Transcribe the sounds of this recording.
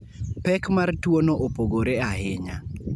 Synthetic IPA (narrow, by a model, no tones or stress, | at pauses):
pɛkmartwonoʔopoɡoɾeaɦɪɲa